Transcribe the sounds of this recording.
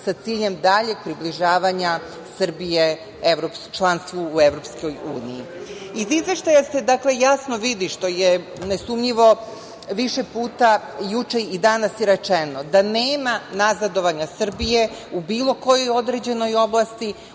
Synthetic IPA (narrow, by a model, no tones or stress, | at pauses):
sat̪siːʎe̞md̪aʎe̞ɡ̥̚pɾibliʒaːʋaɲa | sr̩bije | eʋɾopst͡ʃlˠanst̪ʋuːeʋɾo̞psko̞juːniji | izizʋe̞ʃt̪ajase̞d̪akle̞jasnoʋid̪iʃt̪o̞je | nesumʎiʋo̞ | ʋiʃe̞puːt̪a | jut͡ʃe̞id̪anasjeɾet͡ʂeno̞d̪aneːmanazad̪o̞ʋaɲasr̩bije̞ubiːlˠo̞ko̞jojo̞d̪ɾed͡ʑe̞no̞jo̞blˠast̪i